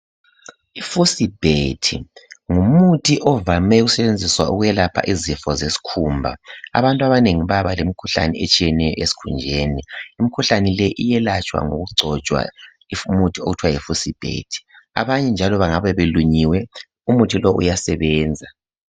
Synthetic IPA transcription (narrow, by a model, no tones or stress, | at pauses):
ifusib̥ʱetʰḭŋumutʰiʔɔvamɛɣusɛβend͡zʱiswa̰uɣujɛlapʰa̰ʔizifɔzesi̥kʰumbʱa̰a̰βantʼwaβaneŋiβaβalemikʰuɬa̰nɛɛt͡ʃʼijɛnɛjɔ̰ʔesi̥kʰund͡ʒʱeːniimikʰuɬanilɛʔijɛlat͡ʃʼwa̰ŋo̰ɣuɡ͡ǀʱɔt͡ʃʼwa̰ | imutʰioɣutʰwajifusib̥ʱḛtʰi̥a̰βaɲɛnd͡ʒʱalɔβaŋaβɛβeluɲiwɛ | umutʰilɔʔṵjasɛβɛːnd͡zʱa